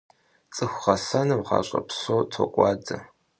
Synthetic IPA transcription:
t͡sʼɨxʷχɐsɐnɨmʁɑ̰ːɕʼɐ̰psoːtʰokʷʼɑːd͡zɐ

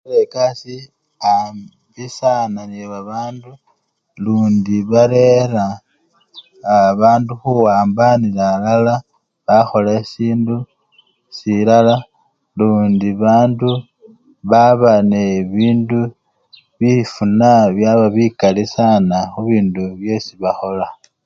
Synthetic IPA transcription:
lekasi | am | bisananeβaβaːndu | luːndiβaɾe̞ɾa | βaːnduxuwaːmbanilalala | βaxo̞lesiːndu | silala | luːndiβaːndu | βaβaneβiːndu | βifunaβjaβaβikalisanaxuβiːnduβje̞siβaxo̞la

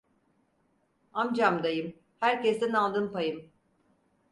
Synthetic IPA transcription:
amd͡ʒamd̪ajɯm | hæɾcesd̪ɛnalˠd̪ɯmpajɯm

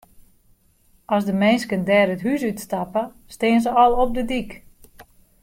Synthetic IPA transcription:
ɔsdəmɛnskəndɛːɾətɦysytstapə | stɪənzəɔlˠɔp̚dədik

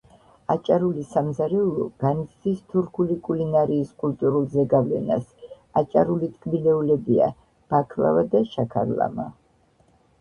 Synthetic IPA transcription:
at͡ʃʼaɾulisamzaɾɛulˠɔɡ̥anit̪sʰd̪ist̪ʰuɾkʰulikʼulinaɾiːskʼult̪ʼuɾulˠzɛɡavlɛ̰na̰s | at͡ʃʼaɾulit̪ʰʼkʼbilɛulɛbia̰ | b̥akʰlˠa̰vad̪aʃakʰa̰ɾlˠa̰ma̰

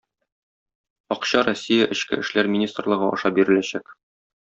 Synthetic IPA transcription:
ɒqɕɑɾosʲːijəʔɘ̆ɕkɘ̰ɘ̆ʃlæɾmʲɪnʲist̪rlˠɤ̆ʁɤɒ̰ʃɑbiɾɘ̆læɕæk

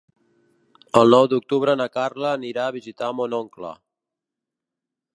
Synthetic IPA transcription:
əlˠnɔwd̪uk̚t̪uβ̞ɾənəkarləːniɾaəβ̞izit̪amonɔŋklə̰

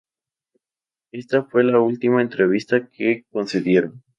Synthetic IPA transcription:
e̞st̪afwe̞lault̪imae̞nt̪ɾe̞β̞ist̪akʰeko̞nse̞ðje̞ɾo̞n

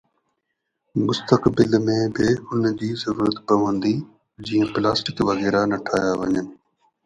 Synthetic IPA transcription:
mʊst̪əkbɪlmẽbɪʊnd͡ʑiːzɐɾuːɾət̪pɐʋə̃nd̪i | d͡ʑiːə̃plaːsʈɪkʋɐɣɛːɾanɐʈʰaːjaʋɐɲənɪ̆

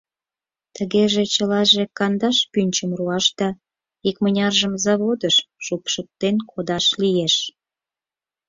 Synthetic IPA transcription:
t̪əɣeʒet͡ɕəlɑʒekɑnd̪ɑʃpynʲt͡ɕəmruɑʃt̪ɑ | ikmənʲɑrʒəmzɑβod̪əʃʃupʃək̚t̪enkʰod̪ɑʃlijeʃ

